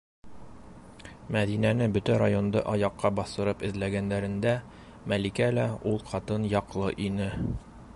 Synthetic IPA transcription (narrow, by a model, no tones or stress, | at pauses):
mæðinænɘbɵt̪æɾajo̞nd̪ɤ̰ʔɒjɑqːɑbɒsɤ̆ɾɤpɘ̆ðlæɡænd̪æɾɘ̆nd̪æ | mælikælæulˠqɒt̪ɤnjɒqlˠɤʔinɘ